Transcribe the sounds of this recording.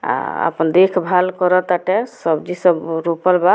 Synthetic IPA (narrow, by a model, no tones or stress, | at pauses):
a̰ə̰pənd̪ekʰbʱalkɔɾət̪aʈɛsəbd͡ʒisəbɾopəlba